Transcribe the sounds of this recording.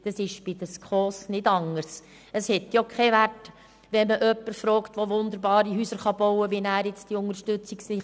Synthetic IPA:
d̥ɑsɪʃb̥ɪd̥̪əskχɔːsnɪdɑŋəɾs | əshɛt̪jokʰχɛʋæt | ʋɛməʔœpːəɾfɾɔːkt̪ʋoʋʊnd̪əɾbɑːɾiɦyːsəɾχɑbɔwəʋinæːɾjɪt͡sd̥iʊŋəɾʃtʏt͡sɪksɪ

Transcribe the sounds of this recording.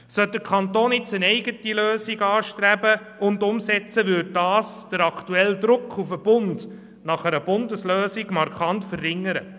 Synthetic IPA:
sœt̚d̥̪əɾkʰɑnt̪oːnɪt͡sənɛɪɡətiløːsiɡɑːʃtɾæbə | ʊndʊmsɛt͡səʋʏd̚dɑːsd̥əɾɑktuɛldɾʊkʰːufəb̥ʊnd | nɑχəɾəb̥ʊndəsløːsiɡmɑɾkʰɑntfərːɪŋːəɾə̰

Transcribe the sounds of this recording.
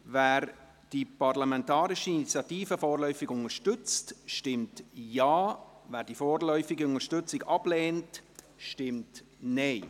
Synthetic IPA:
væːɾ | d̥ipɑrlamɛntaːɾɪʃəinit͡sjɑtiːfəfɔːɾlœʏfɪɡʊŋəʃtʏt͡stʃtɪmtjaːvæːɾd̥ifɔːrlœʏfɪɡəʊŋəɾʃtʏt͡sɪɡɑb̥lɛːnt | ʃtɪmt | nɛɪ

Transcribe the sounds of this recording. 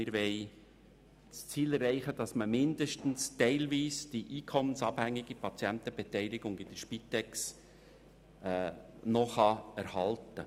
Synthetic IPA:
ɪɾʋɛɪ | st͡siːlɛɾːɛɪχəd̥ɑsməmɪndəʃtn̩stɛɪlviːsd̥iʔiːkʰɔmːənsɑːb̥hæŋːɪɡ̥ipʰɑt͡sjɛnt̪əb̥ɛtɛɪlɪɡʊŋɪd̥əɾʃpit̪ɛks | nɔχɑæɾhɑltə

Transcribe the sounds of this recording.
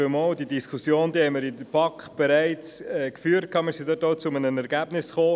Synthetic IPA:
əmold̥idiskʰusjoːnd̪iːhɛɪməɾɪdəpʰɑkχb̥ɛɾæɪt͡sɛkfyːəɾt̚kʰɑːmiːɾsid̪ɔtoʊt͡sʊmənənɛɾɡ̥æb̥nɪsχoː

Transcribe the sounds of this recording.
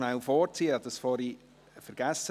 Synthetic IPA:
nawfɔːɾt͡siːəɑdəsfɔːɾi | fəɾɡ̥æsə

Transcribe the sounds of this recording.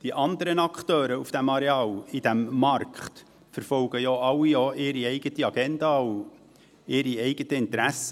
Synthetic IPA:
d̥iʔɑnd̪əɾənɑkχtøːɾəufd̥æmɑɾeɑːlid̥æmːɑrkχt | fəɾfɔlɡ̥əjoːɑlːijoːʔɪːɾiɛɪɡ̥ətiɑɡ̥ɛndɑːw | ɪːɾiɛɪɡ̥ətəɪnt̪ɾæsːə

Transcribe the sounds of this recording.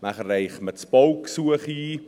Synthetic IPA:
maχərɛjχmətspɔwksuəχiː

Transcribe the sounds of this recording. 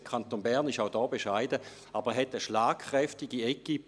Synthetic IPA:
kʰant̪oːnbæʁnɪʃaʊdɔːbeʃaɪdə | ʔaːbəɛɦɛtəʃlaːkχʁɛftɪɡiɛki

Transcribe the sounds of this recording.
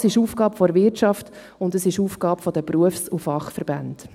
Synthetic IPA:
sɪʃuːfɡ̥ɑːpfɔɾvɪrtʃɑft | ʊndəsɪʃuːfɡ̥ɑːpfɔd̥̪əpɾuəfsufɑχfəɾbænd

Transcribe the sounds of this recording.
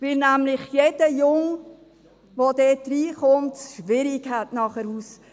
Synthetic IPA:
ʋɪlnæmlɪχjed̥əjʊŋ | ʋod̥ɛt̚dɾiːχʊmtʃʋɪɾɪkɦætnɑχəɾuːs

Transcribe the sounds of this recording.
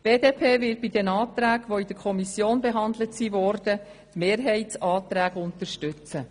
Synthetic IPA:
b̥eːdeːpʰeːʋɪt̚b̥id̪ɛnɑːt̪ɾæːɡʋoid̥̪əɾkʰɔmisjoːnbeɦɑnd̪lətsiʋɔːrd̥ə | t̪meːɾɦɛɪtsɑːt̪ɾæːɡʊnt̪əɾʃtʏt͡sə

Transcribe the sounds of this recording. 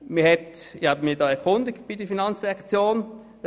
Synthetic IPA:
miɐhɛtɪhabəmiːɐdɑːɛɐkʰʊndɪɡtb̥idəfinɑnt͡sd̥iʁɛkt͡sjoːn

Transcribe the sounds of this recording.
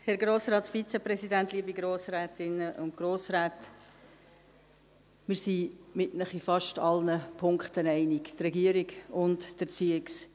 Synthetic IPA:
hɛɾɡɾoːsɾɑːtfit͡sɛpɾɛsidæntliəbiɡɾoːsɾɛːtɪnəʔʊntɡ̥ɾoːsɾɛːt | mɪɾsimɪtnəχifɑʃtɑlnəpʰʊŋkχtənɛɪnɪktrɛɡiəɾiɡʊntd̥əɾt͡siɪks

